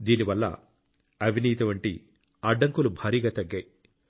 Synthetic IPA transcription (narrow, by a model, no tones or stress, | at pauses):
d̪iːniʋɐlːɐ̰ | ɐbʱiniːt̪ɐʋɐɳʈḭ | ɐɖːɐŋkulubʱaːɾiːɡaːt̪ɐɡːɐj